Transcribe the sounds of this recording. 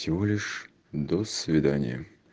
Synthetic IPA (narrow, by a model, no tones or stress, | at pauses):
sʲɪvolʲɪʂ | d̪osvʲɪd̪anʲɪ̰jə